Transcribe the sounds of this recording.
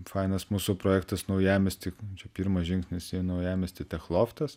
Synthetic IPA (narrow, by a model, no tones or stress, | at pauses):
fɑɪnɐsmuːsʊpɾoːjæːkt̪ɐsnɐʊjæːmʲɛsʲt̪ʲɪt͡ʃʲɛpʲiːɾmɐʒʲɪŋksʲnʲɪsʲinɐʊjæːmʲɛsʲt̪ʲɪt̪ʲɛxlˠoːft̪ɐs